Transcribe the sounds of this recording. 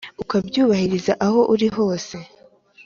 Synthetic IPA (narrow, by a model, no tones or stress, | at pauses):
ukabɟuːβahiɾizaʔaho̞ʔuɾiɦo̞ːse̞